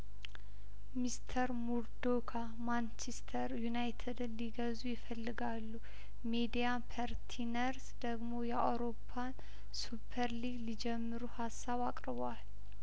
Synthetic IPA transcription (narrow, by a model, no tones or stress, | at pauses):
mist̪ʰəɾmuɾd̪okʰa | mant͡ʃɛst̪ʰəɾjunajt̪ʰəd̪ɨnliɡəzujɪfəlːɨɡalːu | med̪ijapʰaɾt̪ʰinəɾsd̪̥əɡmo̞jɛa̰wɾo̞pʰːan | supʰːəɾliɡlid͡ʒɛmːɨɾuhasːaβakʼɾɨβal